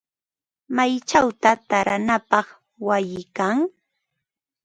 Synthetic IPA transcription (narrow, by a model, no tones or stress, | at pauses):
majt͡ʃawt̪at̪aɾanapɑχ | wajɪkaŋ